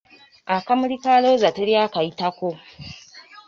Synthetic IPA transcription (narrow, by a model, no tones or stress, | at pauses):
ʔakamɽikaloːzatiɾjakajitakʷo